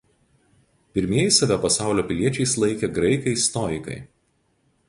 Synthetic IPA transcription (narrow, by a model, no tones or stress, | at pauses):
pʲɪɾʲmʲiɛjsɐʋʲɛpɐsɑˑʊlʲoːpʲɪlʲiɛt͡ʃʲɛɪslˠɐɪkʲɛɡɾɐɪkɐɪst̪ɔɪkɐ̰ɪ